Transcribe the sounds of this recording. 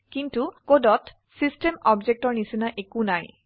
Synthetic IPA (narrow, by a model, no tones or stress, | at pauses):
kintukodɔt | sistemɔbzek̚tɔɹnisinaʔekunaj